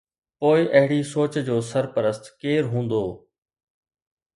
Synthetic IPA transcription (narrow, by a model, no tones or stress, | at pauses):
poːɪʔɐɦɪɽisoːt͡ɕd͡ʑoːsɐɾpəɾəst̪keːɾɦũːnd̪oː